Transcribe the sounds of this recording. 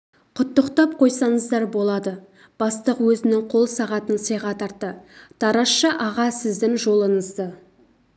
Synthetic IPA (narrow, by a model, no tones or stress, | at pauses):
qʰʊt̪ːəqt̪ɑp̚qʰo̞jsɑɴəzd̪ɑɾbo̞lˠɑd̪ə | b̥ɑst̪əqwɵzɪnɪŋqʰo̞lˠsɑʁɑt̪ənsəjʁɑt̪ʰɑɾt̪ːət̪ʰɑɾɑsʃəʔɑʁɑsɪzd̪ɪŋʒo̞lˠəɴəzd̪ə